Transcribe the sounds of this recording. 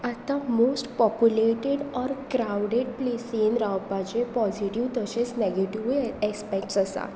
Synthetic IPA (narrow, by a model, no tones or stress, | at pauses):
at̪amosʈpɔpjuleʈeɽɔɾkɾawɖeɖplesinɾawpad͡ʑepɔziʈiʋt̪əɕesneɡeʈiʋɛkspɛk̚ʈsəsa̰